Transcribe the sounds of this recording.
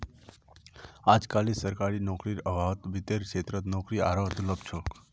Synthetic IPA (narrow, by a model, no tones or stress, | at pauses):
aːd͡ʒkalisəɾkaɾinɔkɾiɾəbʱaʋt̪ʋɪt̪eɾkʃet̪ɾət̪nɔkɾia̰ɾoɦd̪uləb̚t͡ʃʰok